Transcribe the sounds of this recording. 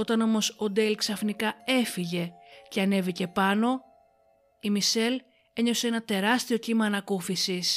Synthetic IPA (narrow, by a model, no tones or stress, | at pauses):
o̞t̪ɐno̞mo̞so̞d̪e̞lksɐfnikɐe̞fiʝe̞ce̞ɐne̞vice̞pɐno̞ | imise̞l | e̞ɲo̞se̞e̞nɐt̪e̞ɾɐst̪io̞cimɐːnɐkufisis